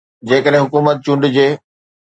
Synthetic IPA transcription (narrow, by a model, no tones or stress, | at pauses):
d͡ʑeːkəɗɦɪ̃ɦʊkuːmət̪̚t͡ɕʊ̃ɳɖd͡ʑeː